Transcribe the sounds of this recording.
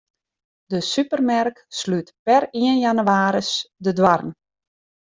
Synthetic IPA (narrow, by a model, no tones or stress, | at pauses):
dəsypərmɛrkslytpɛriənjanyaːɾəsdədwarn